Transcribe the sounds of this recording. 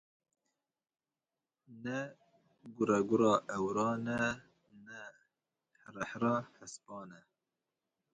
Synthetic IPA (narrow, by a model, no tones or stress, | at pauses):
nɛ | ɡuɾɛɡuɾɑːʔɛwɾɑːnɛ | nɛ | ɾɛħɾɑːhɛspɑːnɛ